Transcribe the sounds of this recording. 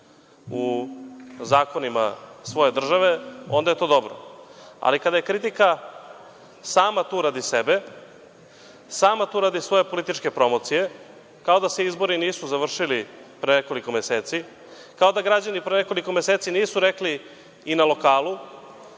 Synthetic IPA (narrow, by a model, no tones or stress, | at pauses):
u | zaːko̞nima̰sʋo̞je̞d̪r̩ʒaʋe̞o̞nd̪aje̞t̪o̞ːd̪o̞bɾo̰a̰likad̪aje̞kɾit̪ika | saːmat̪uːɾad̪isebe̞ | saːmat̪uːɾad̪isʋo̞je̞po̞lit̪it͡ʃke̞pɾo̞mo̞t̪sije̞ | kao̞d̪aseizbo̞ɾiniːsuzaʋr̩ʃilipɾeneko̞liko̞meseːt̪si | kao̞d̪aɡɾad͡ʑanipɾeneko̞liko̞meseːt̪siniːsuɾekliː | nalo̞kaːlˠu